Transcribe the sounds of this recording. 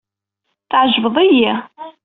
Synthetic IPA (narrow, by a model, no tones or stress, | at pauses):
θʕʒvəðˤæji